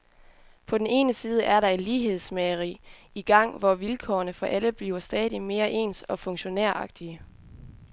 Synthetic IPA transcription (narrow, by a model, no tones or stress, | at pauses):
pʰɒ̽d̥en̩e̝̰ːnəsiːð̞ˠəʔæɐɾɑ̈e̝nliːɦe̝ð̞ˠsmeɐʁḭː | iɡ̥ɑ̈ŋ̰ʋɒʋilkʰɒ̰ɐnəfɒ̽ʔæləb̥liːʊɐsd̥ɛːðˠime̝ːɐʔe̝̰ːnsɒ̽fɔ̽ŋɕo̝neɐ̰ʔɑ̈ɡ̥̚d̥iə